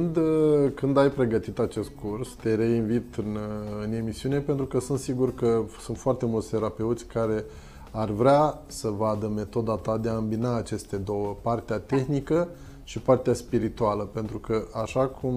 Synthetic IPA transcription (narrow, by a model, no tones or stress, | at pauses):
nd̪kɨnd̪ajpɾe̞ɡət̪it̪at͡ʃe̞st̪̚kurst̪e̞ɾe̞invit̪ɨnɨne̞misiune̞pe̞nt̪ɾukəsunt̪siɡurkəsunt̪foart̪e̞mult̪sʲt̪e̞ɾape̞ut̪sʲkaɾe̞ | arvɾea | səvad̪əme̞t̪o̞d̪at̪ad̪e̞aɨmbinaːt͡ʃe̞st̪e̞d̪o̞wəpart̪eat̪e̞xnikə | ʃipart̪easpiɾit̪ualəpe̞nt̪ɾukəʔaʃakʰum